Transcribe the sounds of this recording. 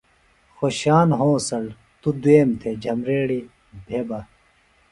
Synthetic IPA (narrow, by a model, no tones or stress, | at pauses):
xoɕaːnɦõːsɐl | t̪ud̪weːmt̪ʰed͡ʑʱɐmɾeːɽi | bʱeːbɐ